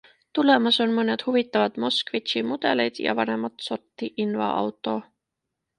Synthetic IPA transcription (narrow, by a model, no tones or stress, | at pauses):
t̪ule̞mɑso̞nmɤne̞d̪̥huvit̪ːˑɑvɑt̪mo̞skvit̪ɕimud̪̥e̞lejd̪̥jɑ̰vɑne̞mɑt̪so̞rt̪ːiʔinvɑ̰ʔɑ̰wt̪ːˑo̞